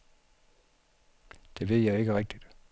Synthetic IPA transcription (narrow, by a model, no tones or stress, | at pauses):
d̥e̝ʋe̝ð̰ˠjɑ̈ɪe̝ɡ̥əʁɛɡ̥̚d̥id̥